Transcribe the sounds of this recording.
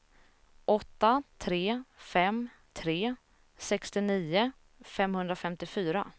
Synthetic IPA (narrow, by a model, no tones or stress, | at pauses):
ʔɔt̪ːat̪ʰɾeːfɛm | t̪ʰɾeː | sɛkst̪ɪniːʊ | fɛmhɵnd̪ɾafɛmt̪ɪfyːɾa